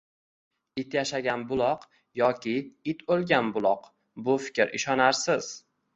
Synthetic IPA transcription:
ɪt̪jaʃaɡʲanbʊlˠɒq | jɒkʲʰɪɪt̪ʰolˠɡʲanbʊlˠɒq | bʊfɪ̥kʲɾʔɪʃɒnaɾsɪz̥

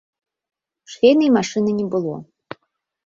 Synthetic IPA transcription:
ʂxʲejnɨimaʂɨnɨnʲɛbɨlˠɔ̰

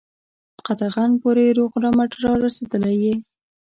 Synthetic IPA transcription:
d̪̥əqat̪aɣanpoɾeɾoɣɾɑmaʈɾɑɾased̪əlaje

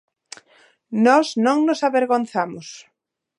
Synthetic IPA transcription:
nɔznõŋnosaβeɾɣonθamʊs

